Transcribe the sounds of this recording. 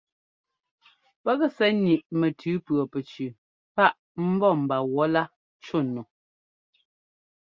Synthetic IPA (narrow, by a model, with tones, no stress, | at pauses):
pɛ˦ɣɛ˦˨sɛ˨˦ni˨ʔmɛ˨tʰʉː˨˦pɰɔ˨pɛ˨t͡ʃʉ˨ | pa˦ʔ | m̩˦bɔ˦˨m̩˨ba˨wɔ˦la˦ | t͡ʃo˦˨nːo˨